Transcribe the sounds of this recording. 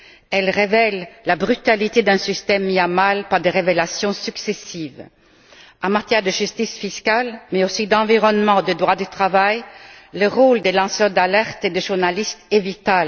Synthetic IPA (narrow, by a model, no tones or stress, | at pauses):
ɛlʁevɛllabʁyt̪alit̪ed̪ɛ̃sist̪ɛmːiamalpaʁd̪eʁevelasjɔ̃syksesiv | ɑ̃mat̪jɛʁd̪əʒyst̪isfiskalmɛosid̪ɑ̃viʁɔnmɑ̃d̪əd̪ʁwad̪ət̪χavajːəʁold̪elɑ̃sœʁd̪alɛʁt̪ed̪əʒuʁnalist̪ɛvit̪al